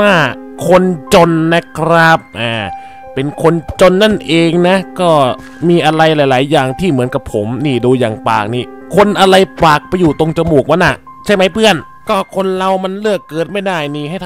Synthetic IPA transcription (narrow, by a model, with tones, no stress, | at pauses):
waː˥˩ | kʰo˧nt͡ɕo˧nːa˦˥kʰɾa˦˥p̚ʔaː˨˩ | pe˧nkʰo˧nt͡ɕo˧nːa˥˩nʔeː˧ŋna˦˥kɔː˥˩ | miː˧ʔa˧ɾa˧jlaː˨˦jlaː˩˦jːaː˨˩ŋt̪ʰiː˥˩mɯ˩˦ənka˨˩pʰːo˩˦mniː˧˩duː˧jaː˨˩ŋpa̰ː˨˩k̚niː˧˩ | kʰo˧nʔa˧ɾa˧jpaː˨˩k̚pa˧jːuː˨˩t̪o˧ŋt͡ɕa˧muː˨˩k̚ma˧˥nʔa˨˩ | t͡ɕʰa˥˩jma˦˥jpʰɯ˥˩ən | kɔː˥˩kʰo˧nla˧wma˧nlɯ˥˩əkːɤː˨˩t̪̚ma˥˩jdaː˥˩jniː˧˩ɦa˥˩jt̪ʰ